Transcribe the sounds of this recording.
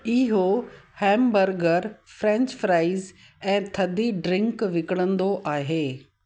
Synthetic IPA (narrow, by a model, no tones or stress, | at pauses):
ɪɦohɛ̃ːmbəɾɡəɾfɾɛ̃ːɲt͡ɕfɾaːɪz | ɛ̃ːt̪ʰɐd̪ʱiɖɾɪ̃ŋkʋɪkəɽ̃ə̃nd̪oʔaːɦeː